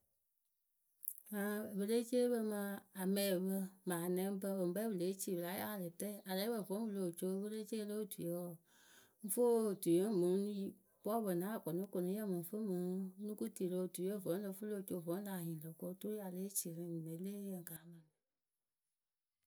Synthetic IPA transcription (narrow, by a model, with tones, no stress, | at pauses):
mã˨˦˨βə˧le˦t͡ʃe˦bə˧mã˧a˨mɛ̃˨bə˧mãː˨nɛ̃˦m˦bə˧˦wo˨˦bɛ˦u˨le˨˦t͡ʃi˦˨wla˨˦a˦˨lə˨tɛ˦˨a˨le˨˦bə˨vɔ̃˨˦wu˧lo˨t͡ʃo˧˦˧wə˦le˦t͡ʃe˦lo˦˨tu˨˦ɔ˦˨ | ŋ̩˦fo˦˨tu˨jo˦mũ˨˦i˦ | bɔ˦bə˨nãː˨˦˨kɔ˨nõ˦ko˧nõ˨˧˦ɛ˦˨mɨ̃˨˦fo˦mũ˨˦nũ˦ku˦ti˨lo˧˦˨tu˨˦o˦˨vɔ̃˨˦lə˧˦fu˦lo˦˨t͡ʃo˧˨vɔ̃˨˦la˨hĩ˨lə˨ko˧˦to˦ɾi˦a˨le˨˦t͡ʃi˨lə˨˦mi˨ne˨˦le˦jə˨ŋ˨ka˨˦mã˨ni˨